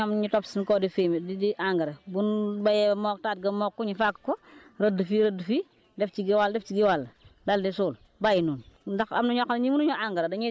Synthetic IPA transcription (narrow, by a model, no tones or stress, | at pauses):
amɲitɔpsinkɔːdifemdidiʔaŋɡɐɾɐbunbɐjɛbmɔːk̚taːt̚ɡɐmɔːkːɔɲifakːkɔɾɐdəfiɾədfiː | dɛft͡ʃiɡiwaldɛft͡ʃiɡiwalːdɐldisuːl | bajinuːndɐxɐ̰mnuɲɔkːnɲimunuɲɔʔaŋɡɐɾɐdɐɲi